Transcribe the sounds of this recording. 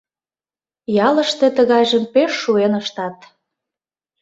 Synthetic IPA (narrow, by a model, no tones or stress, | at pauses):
jɑlə̆ʃt̪e̽t̪əɣɑjʒəmpeʃːuenəʃt̪ɑt̪